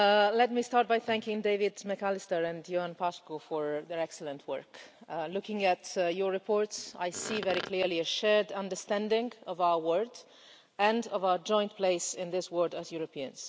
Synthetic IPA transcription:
lɛt̚mistɑɹt̚bajθæ̃ŋkɪ̃ŋdeɪvɪdmɛkalɪstəɹɨ̃ndjoãnpʰaskofɔɹðɛɹɛksələ̃ntʰwɜ̰˞klʊkɪ̃ŋætjɔɹɹɪpʰɔɹtsa̰jsivɛɾikʰliɹliɨʃɛɹdʌ̃ndə˞stæ̃ndɪ̃ŋɔvaʊə˞wɜɹd | ɨ̃ndʌvaʊə˞d͡ʒɔ̃ɪ̃ntpʰleɪsɪ̃nðɪswɜ˞dæzjuɹopʰiɨ̰̃nz̥

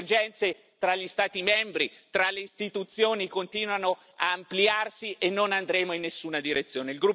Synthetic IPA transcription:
rd͡ʒɛnt̪se | t̪ɾaʎːist̪aːt̪imɛmbɾit̪ɾalːeist̪it̪ut̪sjoːnikont̪iːnwano | aːmpliarsiʔenːonand̪ɾeːmoinːesːuːnad̪iɾet̪sːjoːneilɡɾu

